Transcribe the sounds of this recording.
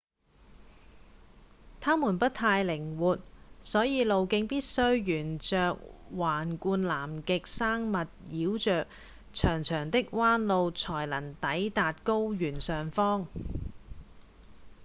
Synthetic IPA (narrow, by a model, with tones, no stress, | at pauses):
t̪ʰaː˥muː˨˩npɐ˥t̪̚ʰaː˧jlɪ˨˩ŋwuː˨t̚sɔː˨˥jiː˨˧lo˨wkɪ˧˥ŋpiː˥t̚sɵ˥ɥjyː˨˩nt͡sœː˨k̚waː˨˩nkuː˧nlaː˨˩mkɪ˨k̚saː˥ŋmɐ˨t̚jiː˨˥wt͡ʃœː˨k̚ | t͡ʃʰœː˨˩ŋt͡ʃʰœː˨˩ŋt̪ɪ˥k̚waː˥nlo˧wt͡sʰɔː˨˩jlɐ˨˩nt̪ɐ˨˥jt̪aː˨t̚ko˥wjyː˨˩nsœː˨ŋfɔː˥ŋ